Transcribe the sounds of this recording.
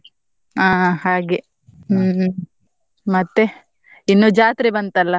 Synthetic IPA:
aːhaːɡe | mɐt̪ːe | inːuːd͡ʒaːt̪ɾebɐnt̪ɐlːɐ

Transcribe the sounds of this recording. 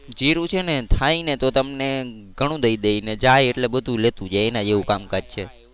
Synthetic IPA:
d͡ʒiɾũt͡ʃʰenet̪ʰainet̪ot̪əmne | ɡʱəɽ̃ũd̪əid̪eined͡ʒajeʈlebəd̪ʱũlet̪ũd͡ʒaenad͡ʒeʋũkamkad͡ʒt͡ʃʰe

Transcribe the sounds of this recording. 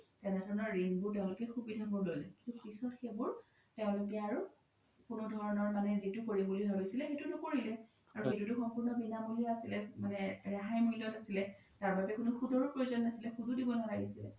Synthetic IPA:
tɛnɛdʱɔɹɔnɔɹɹinbʊɹt̬ɛʊ̃lʊkɛxubidʱabʊɹdojlɛkĩntupisɔtxebʊɹ | teʊ̃lʊk̬ɛaɹu | kʊnʊdʱɔɹɔnɔɹmanɛzitʊkoɹibulibʱabisilɛxetunɔkoɹilɛ | aɹuxetutʊxɔmpʊɹnɔbinamuliɔasilɛmanɛɹaɦajmujlɔtasilɛ | taɹbabɛkʊnʊxudɔɹɔpɹojuzɔnːasilɛxududibɔnalaɡisilɛ̰

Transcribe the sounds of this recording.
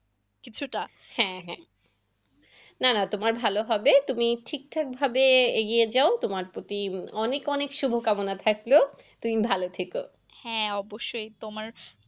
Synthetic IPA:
kit͡ɕʰuʈa | hɛ̃ɦɛ̰̃ | nanat̪omaɾbʱaloɦɔbet̪umiʈʰik̚ʈʰak̚bʱabeeɡijed͡ʑaot̪omaɾpɾot̪iɔnekɔnekʃubʱokamonat̪ʰaklot̪umibʱalot̪ʰeko̰ | hɛ̃ɔboʃːojt̪omaɾ

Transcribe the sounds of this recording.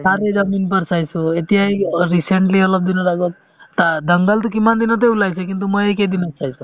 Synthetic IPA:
saɾed͡ʒaminpəɾsajsuet̪iɦajɾiseɳʈliəlɔb̚d̪inɔlaɡot̪̚ | t̪ad̪əŋɡəlt̪ukimand̪inɔt̪̬ebulajsʰekint̪̬uməeked̪inɔsajsu

